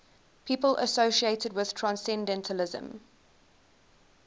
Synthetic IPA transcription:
pʰiːpəlʔə̰soʃieɪtədwɪð̥tʰɹ̥ãnsɛ̃ndɛ̃ntʰəlɪzə̰̃m

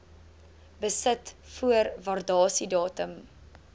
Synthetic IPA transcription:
bəsətfuərvɐrdɑːsidɑːtəm

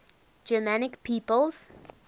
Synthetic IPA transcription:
d͡ʒəmanɪkpʰiːpəlˠz̥

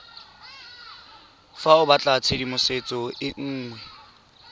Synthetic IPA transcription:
faʊbat͡ɬʼat͡sʰedimʊset͡sʼɔɪŋ̩ːŋwɛ

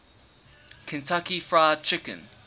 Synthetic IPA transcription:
kʰə̃ntʰakifɹaɪət͡ʃʰɪkə̰̃n

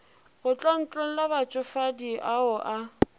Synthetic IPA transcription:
ɣʊt͡ɬʼɔn̩t͡ɬʼon̩labat͡ʃʼʊfadiʔaʊʔa

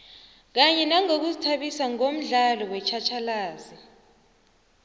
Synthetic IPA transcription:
k̬aɲɛnaŋok̬uzitʰaɓisaŋom̩ɮalɔwɛt͡ʃʰat͡ʃʰalaːzi

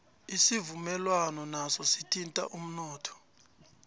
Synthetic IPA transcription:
isivumɛlwanɔnasɔsitʰʼintʼa̰ʔum̩nɔːtʰɔ̥

